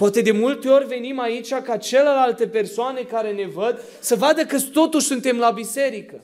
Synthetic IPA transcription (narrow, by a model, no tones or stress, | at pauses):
poat̪e̞d̪e̞mult̪e̞o̞rʲve̞nimait͡ʃʲakat͡ʃe̞lelalt̪e̞pe̞rsoane̞kaɾe̞ne̞vəd̪ | səvad̪əkɨt̪o̞t̪uʃʲsunt̪e̞mlabise̞ɾikə